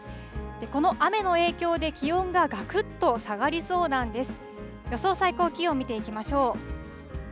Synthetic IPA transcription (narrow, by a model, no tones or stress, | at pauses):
d̪̥e̞ko̞no̞ʔame̞no̞e̞ːkʲo̞ːd̪e̞kʲiõ̞ŋɡaɡakɯ̟t̪ːo̞saɡaɾʲiso̞ːd̪ãnd̪e̞sɨ̥ | jo̞so̞ːsaiko̞ːkʲio̞mʲit̪e̞ikʲimaɕo̞ː